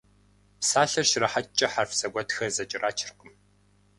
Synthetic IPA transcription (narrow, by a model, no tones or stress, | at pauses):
psaːɬɐrʃrɐħat͡ʃʼɐħarfsɐɡʷɔtxɐzɐt͡ʃʼɪrʔaːt͡ʃʰɪrqəm